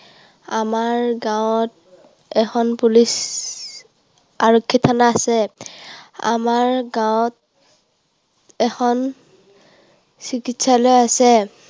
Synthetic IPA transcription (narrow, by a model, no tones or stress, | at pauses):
amaɹɡawt̚ | ɛxʰɔnpulis | aɹɔkʰːitʰanaːsɛ | a̰maɹɡawt | ɛkʰɔn | sikitsalɔjasɛ